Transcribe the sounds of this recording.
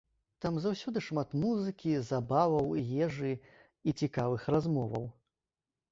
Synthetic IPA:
t̪amzawsʲɔd̪ɨʂmat̪muzɨkʲizabavɐwjʲɛʐɨ | it͡sʲikavɨxɾazmɔvɐ̰w

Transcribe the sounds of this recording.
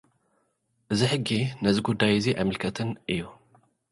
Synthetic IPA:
ʔɨziħɨɡːinɐziɡud̪ːajɨziʔa̰jmɨlkʰɐt̪ʰɨnʔɨjːu

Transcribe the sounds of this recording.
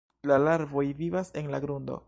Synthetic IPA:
lalaɾvo̞jvivase̞nlaɡɾundo̞̰

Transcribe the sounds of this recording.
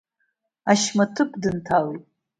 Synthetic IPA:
aʃmatʰɨpʼdɨntʰaletʼ

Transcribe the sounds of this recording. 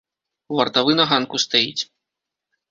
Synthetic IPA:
uvɐrt̪avɨnɐɣankust̪ajit͡sʲ

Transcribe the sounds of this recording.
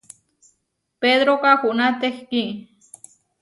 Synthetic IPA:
ped̪ɾokaxuʔnat̪exki

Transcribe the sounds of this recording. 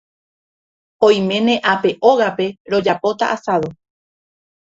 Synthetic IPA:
õj̃mẽ̞nẽ̞ʔape̞ʔoɣape̞ɾo̞d͡ʒapo̞t̪a̰ʔasaðo

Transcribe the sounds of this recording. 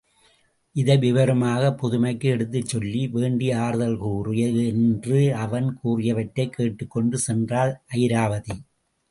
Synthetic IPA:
ʔɪðɐɪʋɪʋɐɾɐmaːɣɐpːɔðʊmɐɪkːɯɛɽɯt̪̬ːɯt͡ʃːɔlːiʋeːɳɖiaːɾɯðɐlkuːrɪjɐɛndrɯɐʋɐnkuːrɪjɐʋɐʈːɐɪkʰːeːʈːɯkːɔɳɖɯsɛndraːlʔɐjɪɾaːʋɐði

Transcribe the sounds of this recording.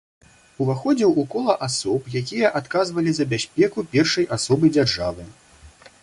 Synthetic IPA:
uvaxɔd͡zʲiwukɔlˠɐʔasɔpjakʲijɐʔat̪kazvɐlʲizɐbʲasʲpʲɛkupʲɛrʂɐjʔasɔbɨd͡zʲarʐavɨ

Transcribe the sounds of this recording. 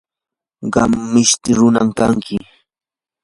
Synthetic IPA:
ɢɑmːɪʃt̪ɪɾʊnamkaŋkʰɪ

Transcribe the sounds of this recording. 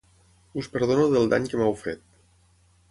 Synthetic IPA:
uspəɾð̞onuðəlˠd̪a̰ɲkəmawfḛt̪̚

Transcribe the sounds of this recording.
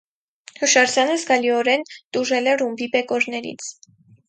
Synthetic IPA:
həʃɑɾzjɑnəzɡɑliɔɾɛnt̪uʒɛlɛrumbibɛkɔɾnɛɾḭt͡sʰ

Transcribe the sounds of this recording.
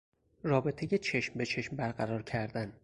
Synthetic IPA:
rɒːbe̞t̪ʰejet͡ʃʰe̞ʃmbe̞t͡ʃʰeʃmbæɾɢæɾɒːɾcʰæɾd̪æn

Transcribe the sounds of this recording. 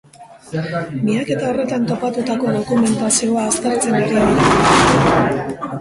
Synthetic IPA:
miake̞t̪ao̞re̞t̪ant̪o̞pat̪ut̪ako̞ðo̞kume̞nt̪asio̞aːst̪e̞ɾt͡se̞neɣiniða

